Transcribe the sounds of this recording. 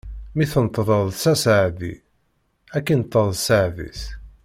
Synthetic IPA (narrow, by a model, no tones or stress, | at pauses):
miθənt̪ˤːðˤəðˤsæsəʕðḭ | ækːinət̪ˤːəðˤsəʕðḭs